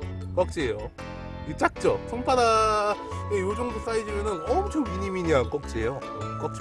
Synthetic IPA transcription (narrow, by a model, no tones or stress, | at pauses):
k͈ʌk̚t͡ɕ͈ʰiejo | ɡet͡ɕ͈ak̚t͡ɕ͈ot͡ɕʰoŋpʰada | ejod͡ʑoŋdos͈aid͡ʑimjʌnɯnʌmut͡ɕʰokiɲimiɲaŋk͈ʌk̚t͡ɕ͈iejo | k͈ʌk̚t͡ɕ